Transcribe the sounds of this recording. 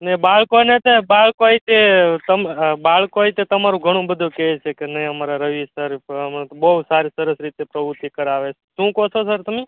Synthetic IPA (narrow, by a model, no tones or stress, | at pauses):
nebaɭkonet̪ebaɭkoait̪et̪əmbaɭkoait̪et̪əmaɾũɡʱəɽ̃ũbəd̪ʱokɛt͡ʃʰekenəĩəmaɾaɾəʋisəɾpmbəusaɾisəɾəsɾit̪epɾəʋut̪ikəɾaʋet͡ʃʰeʃũkot͡ʃʰosəɾt̪əme